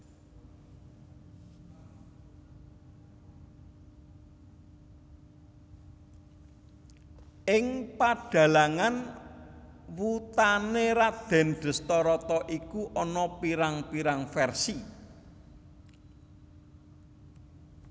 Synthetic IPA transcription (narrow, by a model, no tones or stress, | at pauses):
ɪŋpaɖ̥ä̤laŋan | wut̪aneɾad̪̥ɛ̤nɖ̪̥ə̤st̪ɔɾɔt̪ɔʔikuʔɔnɔpiɾaŋpiɾaŋfɛrsi